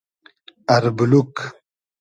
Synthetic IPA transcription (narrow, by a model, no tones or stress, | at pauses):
ɐɾbuluk